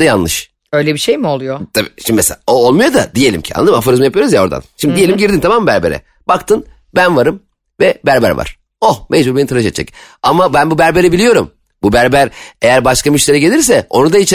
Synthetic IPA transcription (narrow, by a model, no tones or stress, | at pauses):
janlˠɯʃ | øjlʲɛbiʃejmio̞lˠujot̪ʰabiʃimd̪imɛseaoolˠmujo̞d̪ad̪ijelʲḭmcʰia̰nːˠad̪ɯmafaɾɯzmɯjapɯjoɾuzjao̞ɾd̪a̰nʃimd̪id̪ije̞lʲimɟiɾd̪int̪ʰamaːmːɯbæɾbe̞ɾɛ̰ | b̥akt̪ʰɯn | bænvaɾɯm | vɛbæɾbæ̰ɾva̰ɾ̥ | ohmʔed͡ʒbuɾbenit̪aɾɯʃet̪ːd͡ʒʰɛ̰camabænbubæɾbe̞ɾibilʲijo̞ɾum | bubæɾbæɾe̞jæɾbaʃkamyʃlʲeɾɛɟe̞lʲiɾsɛo̞̰nud̪ait͡ʃʰ